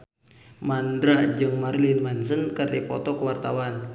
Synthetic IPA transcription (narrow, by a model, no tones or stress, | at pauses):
mandɾad͡ʒɨŋmarlɪnmansənkərdipɔ̰t̪ɔkəwart̪awan